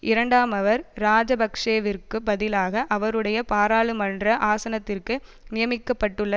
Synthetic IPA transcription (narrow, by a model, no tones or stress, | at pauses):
ʔɪɾɐɳɖaːmɐʋɐɾɾaːd͡ʒɐbɐkʂeːʋɪrkɯbɐðɪlaːɣɐʔɐʋɐɾɯɽɐjɐpaːɾaːɭɯmɐndrɐʔaːsɐnɐt̪ːɪrkɯ | nɪjɐmɪkːɐpːɐʈːɯɭːɐ